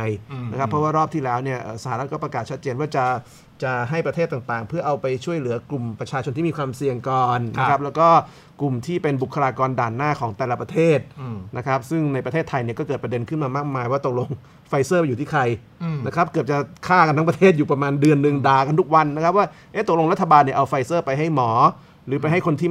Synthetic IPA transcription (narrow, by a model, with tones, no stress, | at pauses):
jna˦˥kʰa˦˥pʰːɾɔ˦˥waː˥˩ɾɔː˥˩p̚t̪ʰiː˥˩lɛː˦˥wni˥˩ɐʔəː˨˩sa˧˩haː˧ɾa˦˥t̪̚kɔː˥˩pɾa˧kaː˨˩t̪̚t͡ɕʰa˥t̪̚t͡ɕeː˧nwaː˥˩t͡ɕa˨˩ | t͡ɕa˨˩ɦa˥˩jpɾa˧t̪ʰeː˥˩t̪ːaː˨˩ŋt̪aː˨˩ŋpʰɯ˥˩ɐʔa˧wpa˧jt͡ɕʰu˥˩əjlɯ˩˦ɐklu˨˩mpɾa˧t͡ɕʰaː˧t͡ɕʰo˧nt̪ʰiː˥˩mi˧kʰwaː˧msi˨˩əŋkɔː˨˩nnaa˦˥kʰa˦˥p̚lɛː˦˥wkɔː˥˩ | klu˨˩mt̪ʰiː˥˩pe˧nbu˨˩kʰːa˧laː˧kɔː˧ndaː˨˩nːaː˥˩kʰɔː˩˦ŋt̪ɛː˨˩la˧pɾa˧t̪ʰeː˥˩t̪̚na˦˥kʰa˦˥p̚sɯ˥˩ŋna˧jpɾa˧t̪ʰeː˥˩t̪ʰːa˧jni˥˩ɐkɔː˥˩kɤː˨˩pɾa˧de˧nkʰɯ˥˩nmaː˧maː˥˩k̚maː˧jwaː˥˩t̪o˨˩k̚lo˧ŋ | fa˧jsɤː˥˩pa˧juː˨˩iː˥˩kʰa˧j | nna˦˥kʰɾa˦˥p̚kɤ˨˩əp̚t͡ɕa˨˩kʰaː˥˩ka˧nt̪ʰa˦˥pɾa˧t̪ʰeː˥˩t̪̬̚juː˨˩pɾa˧maː˧ndɯ˧ənːɯ˨˧ŋdaː˨˩ka˧nt̪ʰu˦˥k̚wa˧nːa˦˥kʰa˦˥p̚waː˥˩ | ʔe˦˥t̪o˨˩k̚lo˧ɾt̪ʰːa˧baː˧nːi˧˩ʔa˧wfa˧jsɤː˥˩pa˧jɦa˥˩jmɔː˩˦ | ɾɯː˩˦pa˧jɦa˥˩jkʰo˧nt̪ʰiː˥˩